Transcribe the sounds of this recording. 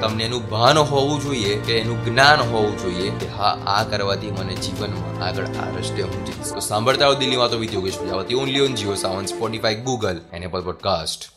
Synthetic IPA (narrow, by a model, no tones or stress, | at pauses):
t̪əmneːnũbʱanɦɔʋũd͡ʒoiekeːnũɡnanɦɔʋũd͡ʒoiekeɦaʔa̰kəɾʋat̪ʰiməned͡ʒiʋənmã̰ʔaɡəɭa̰ɾəʃjəɦũd͡ʒist̪osãmbʱəɭt̪aod̪ɪlːimãt̪oʋɪd̪ʱjoɡeʃpəd͡ʒaʋət̪ionliond͡ʒiosaʋənspɔʈifaiɡuɡəlɛnepɔlpɔɖkasʈ